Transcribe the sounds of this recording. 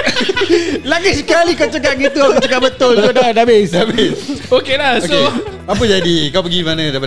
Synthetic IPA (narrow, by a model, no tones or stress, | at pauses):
laɡis̬əkalikat͡ʃəkaʔ̚ɡit̪ukət͡ʃəkaʔ̚bət̪ʊlsodadabesdabesokelahosoeapəd͡ʒadikawpəɡimanãdaijp̬a